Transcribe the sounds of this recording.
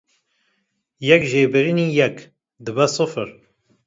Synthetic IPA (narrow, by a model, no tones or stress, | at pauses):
jɛkʒeːbɨɾiniːjɛk | d̪ɨbɛsɨfɨɾ